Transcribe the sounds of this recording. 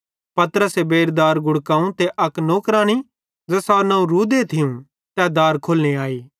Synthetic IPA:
pɐt̪əɾəsebeːɾd̪aːɾɡʊɽkaːũt̪eʔɐknoːkɾaːɽ̃i | d͡zɐsaːnɐ̃ũɾuːd̪et̪ʰɪjũ | t̪ɛd̪aːɾkʰoːlniaːiː

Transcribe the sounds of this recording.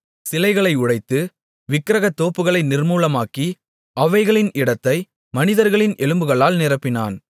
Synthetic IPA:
sɪlɐɪɣɐɭɐɪʊɽɐɪt̪ːɯ | ʋɪkːɾɐɣɐt̪ːoːpːɯɣɐɭɐɪnɪɾmuːlɐmaːki | ʔɐʋɐɪɣɐɭɪnɪɽɐt̪ːɐɪ | mɐnɪðɐɾɣɐɭɪnʔɛɭɯmbɯɣɐɭaːlnɪrɐpːɪna̰ːn

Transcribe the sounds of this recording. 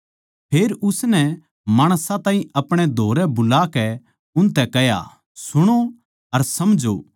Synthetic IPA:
pʰeːɾʊsnɛ | maːɽ̃sãt̪ãːĩɐpɽ̃ed̪ʱoːɾɛbʊlaːkɛ | ʊnt̪ɛkɛja̰ | sʊɽ̃o | ɐɾsɐmd͡ʒo̰

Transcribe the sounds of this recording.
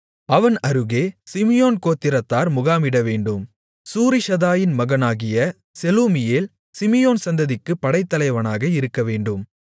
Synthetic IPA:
ɐʋɐnɐɾɯɣeːsɪmɪjoːnkoːt̪ːɪɾɐt̪ːaːɾmʊɣaːmɪɽɐʋeːɳɖɯm | suːɾɪʃɐðaːjɪnmɐɣɐnaːɣɪjɐ | sɛluːmɪjeːl | sɪmɪjoːnsɐnd̪ɐðɪkːɯpːɐɽɐɪt̪ːɐlɐɪʋɐnaːɣɐɪɾɯkːɐʋeːɳɖɯm

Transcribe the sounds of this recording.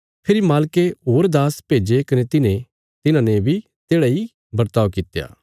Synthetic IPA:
pʰɪɾimaːlkeɦoːɾd̪aːspeːd͡ʒekɐnet̪ɪnẽ | t̪ɪnãːnebʱi | t̪eːɽaːi | bɐɾt̪aːʋkɪt̪ːja̰ː

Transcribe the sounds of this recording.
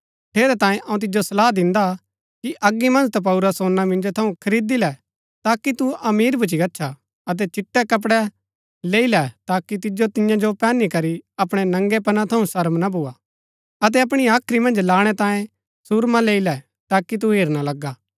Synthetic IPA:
ʈʰeːɾɛt̪ãːjẽʔɐ̃ũt̪ɪd͡ʒosɐlaːd̪ɪ̃nd̪a | kiʔɐɡːimɐ̃nd͡ʒt̪ap̬ɐʊɾəsoːnːamɪ̃nd͡ʒot̪ʰɐũkʰɐɾiːd̪ilɛ | t̪aːkit̪uɐmiːɾbʱʊt͡ʃ̬iɡɐtːʃʰa | ɐt̪̬ɛt͡ʃɪʈːɛkɐp̬ɽɛ | leːilɛt̪aːkit̪ɪd͡ʒot̪ɪjãd͡ʒopɛːnːikɐɾiɐpɽ̃ɛnɐ̃ŋɡɛpɐnãt̪ʰɐũsɐɾmnabʱuːa | ɐt̪̬ɛɐp̬ɽ̃iaːkʰɾimɐ̃nd͡ʒlaːɽ̃ɛt̪ãːjẽ | suɾmãleːilɛ | t̪aːkit̪̬uɦeːɾnalɐɡːaː

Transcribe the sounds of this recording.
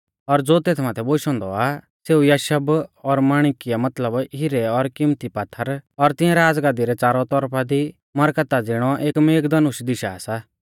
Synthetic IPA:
ɔɾd͡zoːt̪eːt̪ʰmaːt̪ʰɛboːʃɔ̃ːnd̪ɔa | seːujaːʃəbɔɾmaːɽ̃kɪjamɐt̪ləbɦɪɾɛɔɾkɪmt̪ipaːt̪ʰːəɾɔɾt̪ɪ̃jãɾaːd͡zɡaːd̪iɾɛt͡saːɾɔt̪ɔɾpʰad̪i | mɐɾkət̪ad͡zɪɽ̃ɔʔeːkmeːɡd̪ɐnʊʃd̪ɪʃaːsa

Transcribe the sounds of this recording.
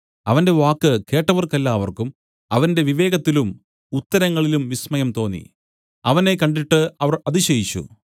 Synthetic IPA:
ɐʋɐnde̞ʋaːkːɨke̞ːʈːɐʋɐrkɐlːaːʋɐrkum | ɐʋɐnde̞ʋiʋe̞ːɡɐt̪ːilum | ut̪ːɐɾɐŋːɐɭilumʋismɐjɐmt̪o̞ːnːḭ | ɐʋɐne̞kɐɳɖiʈːɨɐʋɐrɐðiɕɐjit͡ɕːṵ

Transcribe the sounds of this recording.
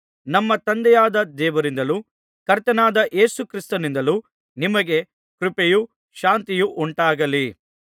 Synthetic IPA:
nɐmːɐt̪ɐnd̪ɛjaːd̪ɐd̪ɛːʋɐɾind̪ɐlu | kɐɾt̪ɐnaːd̪ɐʔe̞ːsukɾist̪ɐnind̪ɐlu | nimɐɡe̞ | kɾupeju | ʃaːnt̪ijuʔuɳʈaːɡɐli

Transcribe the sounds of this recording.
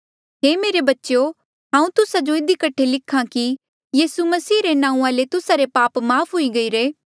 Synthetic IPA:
ɦeːmeːɾebɐtːʃo | ɦãːũt̪ʊsad͡ʒoɪd̪ikɐʈʰːelɪkʰːãki | jiːsumɐsiːɾenãːũaːlet̪ʊsaɾepaːpmaːpʰɦoiɡɐiɾeː

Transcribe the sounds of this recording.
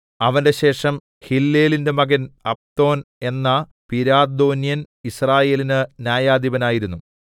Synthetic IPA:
ɐʋɐnde̞ɕe̞ːʂɐm | hilːe̞ːlinde̞mɐɣɐnɐp̚t̪o̞ːne̞nːɐ | piɾaːd̪o̞ːnjɐn | israːje̞ːlinɨnjaːjaːd̪iʋɐnaːjiɾunːu

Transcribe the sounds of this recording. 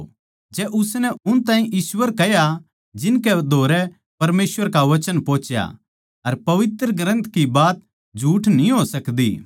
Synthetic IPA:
d͡ʒɛːʔʊsnɛʊnt̪ãːɦĩʔiːswəɾkɛja | d͡ʒɪnkɛd̪ʱoːɾɛ | pɐɾmeːsʋəɾkaʋɐt͡ʃənpõːt͡ʃja̰ | ɐɾpɐʋɪt̪ɾəɡɾə̃nt̪ʰkibaːt̪̚ | d͡ʒʱuːʈnĩɦosɐkd̪ḭː

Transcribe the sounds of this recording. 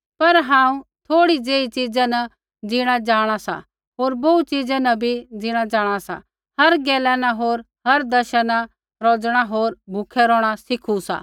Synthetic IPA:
pɐɾɦãːũt̪ʰoːɽid͡zeːit͡ʃid͡zanɐ | d͡zɪɽ̃ad͡ʒaːɽ̃asa̰ | ɦoːɾboːut͡ʃid͡zanɐbʱid͡zɪɽ̃ad͡ʒaːɽ̃asa̰ | hɐɾɡɛːlɛnaɦoːɾ | ɦɐɾd̪ɐʃəna | ɾoːd͡zɽ̃aɦoːɾbʱʊkʰɛɾɔːɽ̃asɪkʰusa̰ː

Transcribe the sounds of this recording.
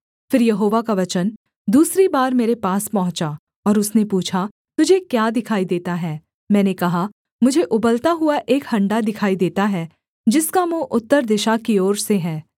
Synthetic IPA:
fɪɾjɐɦoːʋakaʋɐt͡ʃən | d̪uːsɾibaːɾmeːɾepaːspɐɦʊ̃t͡ʃa | ɔːɾʊsnepuːt͡ʃʰa | t̪ʊd͡ʒʱekjaːd̪ɪkʰaːid̪eːt̪aɦɛː | mɛ̃ːnekɐɦa | mʊd͡ʒʱeʔʊbəlt̪aɦʊaʔeːkhɐ̃ɳɖad̪ɪkʰaːid̪eːt̪aɦɛ | d͡ʒɪskamõʔʊt̪ːəɾd̪ɪʃakioːɾseɦɛː

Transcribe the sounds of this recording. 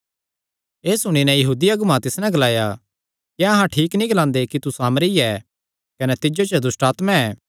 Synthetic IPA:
eːsʊɽ̃inɛ̃jɐɦuːd̪iɐɡʊmãt̪ɪsnɛ̃ɡɐlaːja | kiɐɦãʈʰiːknĩɡɐlãːnd̪ekit̪usaːmɾiɛː | kɐnɛt̪ɪd͡ʒot͡ʃəd̪ʊsʈaːt̪mãɛː

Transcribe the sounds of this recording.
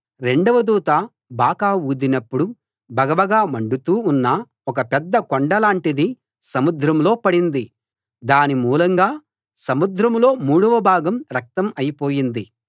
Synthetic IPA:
ɾe̞ɳɖɐʋɐd̪uːt̪aː | bʱaːkaːuːd̪inɐpːuɽu | bʱɐɡɐʋɐɡaːmɐɳɖut̪uːnːɐ | ɔkɐpɛd̪ːɐkoɳɖɐlaːɳʈid̪i | sɐmud̪ɾɐmlo̞ːpɐɽind̪i | d̪aːnimuːlɐŋɡaː | sɐmud̪ɾɐmloːmuːɽuʋɐbʱaːɡɐmɾɐk̚t̪ɐmɐjipo̞ːjind̪i

